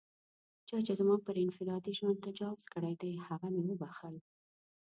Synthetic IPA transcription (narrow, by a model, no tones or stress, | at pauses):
t͡ʃɑt͡ʃezmɑpəɾɪnfɪɾɑd̪iʒwant̪ad͡ʒɑwz̥kəɽajd̪ajhaɣamewəbaxəl